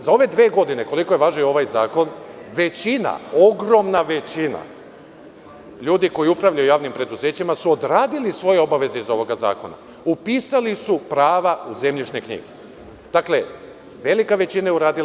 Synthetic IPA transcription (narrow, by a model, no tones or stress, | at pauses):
zao̞ʋe̞d̪ʋeːɡo̞d̪ine̞ko̞liko̞jeʋaːʒnio̞ʋajza̰ːko̞nʋe̞t͡ɕina̰o̞ɡɾo̞mnaʋe̞t͡ɕina̰ | ʎuːd̪iko̞jiupɾaʋlʎajujaːʋnimpɾe̞d̪uzeːt͡ɕimasuo̞d̪ɾaːd̪ilisʋo̞je̞o̞baʋe̞ze̞izo̞ʋo̞ɡaza̰ːko̞na̰ | upiːsalisupɾaːʋauze̞mʎiʃne̞kɲḭɡe | d̪̥akle̞ | ʋelikaʋe̞t͡ɕinajeuɾaːd̪il